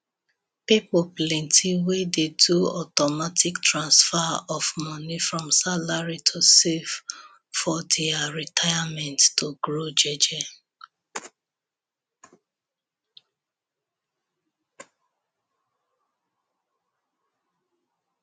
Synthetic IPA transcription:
pipɔplɛ̃ntʰiwededuɔtɔmatiktɹãnsfaɔfmɔnifɹɔ̃msalaɹitʰosef | fɔdɛaɹitʰajamɛ̃nttoɡɹod͡ʒɛd͡ʒɛ

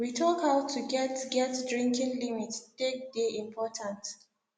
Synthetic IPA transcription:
witʰɔkaʊtʰːuɡɛtɡɛtdɹĩŋkĩnlimittek̚deʔĩmpʰɔtʰãnt

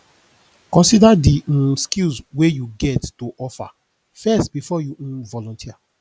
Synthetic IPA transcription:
kɔ̃nsidadiskilswejuɡɛttoʔɔfa̰ | fɛstbifɔjuũvɔlɔ̃ntʰia

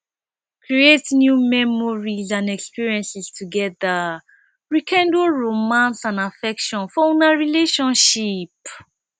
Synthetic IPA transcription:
kʰɹietnjumɛmɔɹizãnɛkspiɹiɛ̃nsistʰuɡɛða | ɹikʰɛ̃ndoɹomãnsãnafɛkʃɔ̃nfɔõnaɹileʃɔ̃nʃip

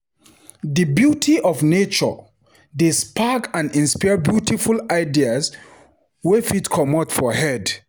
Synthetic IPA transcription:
ðəbjutʰiʔɔvnet͡ʃɔ̰ | despʰakãnĩnspabjutʰifulaɪdias | wɛfitkʰɔmɔtfɔhɛd

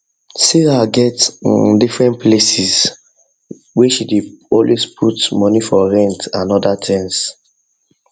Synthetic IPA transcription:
siɹaɡɛtndifɹɛ̃ntplesis | weʃideɔlwespʰutmɔnifɔɹɛ̃ntãnɔdatʰɛ̃ns

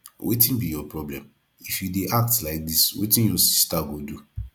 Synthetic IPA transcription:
wʔetĩnbijɔpɹɔblɛ̃m | ifjudeʔak̚tlaɪk̚diswḛtĩnjɔsi̥staɡodu

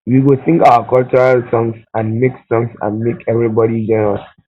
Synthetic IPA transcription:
wiwuθɪ̃ŋkawəkɔlt͡ʃɔɹaltɔ̃ŋsãnmeksɔ̃ŋsã̰nmekʰɛvɹibɔɾid͡ʒɛ̃nɛɹa

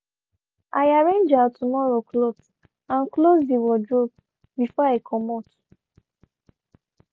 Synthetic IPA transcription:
ʔaɪaɹẽnd͡ʒatʰumɔɹoklobs | ãnklozdiwɔdɹop̚ | bifɔaɪkʰɔmɔt

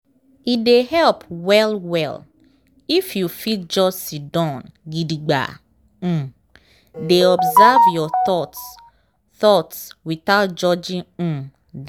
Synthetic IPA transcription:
idehɛlpwɛlwɛl | ifjufit̚d͡ʒɔsidɔ̃nɡidiɡ͡bã̰ | deɔbzavjɔθɔts | θɔtswiθaʊt̚d͡ʒɔd͡ʒĩŋ̩̃ | d

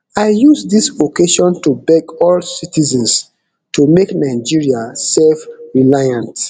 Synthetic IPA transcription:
aɪjusdisokeʃɔ̃ntubɛɡɔlsitizɛ̃ns | tumeknaɪd͡ʒiɹiasɛlfɹilajãnt

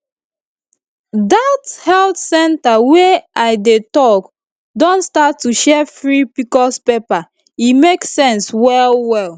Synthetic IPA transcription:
dathɛltsɛ̃ntaweaɪdetɔk | dɔ̃ntstatːuʃɛfɹipikɔspepa | imeksɛ̃nswɛlwɛl

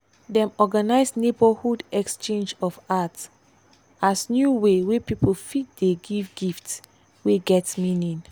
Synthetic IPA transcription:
dɛ̃mɔɡanaɪsnebəhudɛkst͡ʃẽnd͡ʒɔfat | asnjuwewepipʰofit̚deɡivɡifts | weɡɛtmĩnĩn

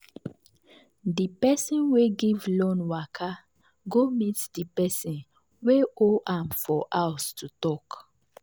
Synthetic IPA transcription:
dipɛsĩnweɡivlɔ̃nwakʰa | ɡomitdipɛsĩn | weoʔãmfɔʔawstutɔk

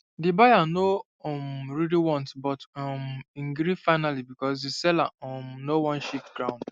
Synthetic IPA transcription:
dibajano | ɔmɹiliwɔ̃ntbɔtɔmĩŋɡɾifaɪnalibikɔsisɛla̰ɔmnowɔ̃nʃiftɡɾãʊ̃nd̥

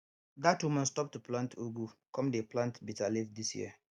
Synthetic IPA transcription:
datwumə̃nstɔp̚tuplãntʰuɡukɔ̃mdeplãntbitalifdisjḭ

